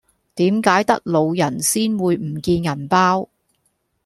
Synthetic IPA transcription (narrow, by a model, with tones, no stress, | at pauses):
t̪iː˨˥mkaː˨˥jt̪ɐ˥k̚lo˨˧wjɐ˨˩nsiː˥nwuː˨˧jm̩˨˩kiː˧njɐ˨˩npaː˥w